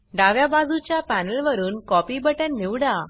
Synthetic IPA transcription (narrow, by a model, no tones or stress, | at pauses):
ɖaʋjabad͡zut͡ɕjapænəlʋəɾuːnkɔpibəʈãnːiʋɽa